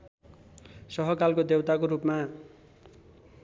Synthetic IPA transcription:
sʌɦʌkalkod̪ewt̪akoɾupma

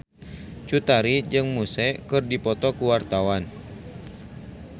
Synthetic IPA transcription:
t͡ʃut̪aɾid͡ʒɨŋmusɛkɨrdipɔt̪ɔkuwart̪awan

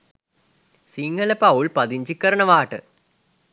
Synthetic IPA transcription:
siŋɡɐlɐpɐwɭpɐðiɲd͡ʑikːɐɾɐɳɐʋaːʈːɨ

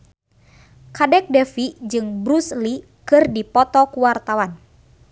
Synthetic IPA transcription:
kadɛk̚dɛfid͡ʒɨŋbɾusli | kɨrdipɔt̪ɔkuwart̪awan

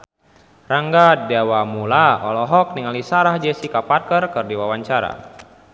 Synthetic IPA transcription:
raŋɡadɛwamulaɔ̰lɔɦɔk̚niŋalisaɾahd͡ʒɛsikaparkərkərdiwawaɲt͡ʃaɾa̰

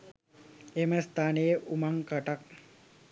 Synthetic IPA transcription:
eməst̪aːnejəʔumaŋkəʈak̚

